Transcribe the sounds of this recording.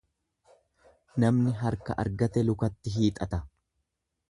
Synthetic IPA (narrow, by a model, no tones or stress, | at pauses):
nɐmnɪɦɐɾkɐ̰ʔɐ̰ɾɡɐt̪ɛlʊkɐt̪ːɪɦiːt̪ʼɐt̪ɐ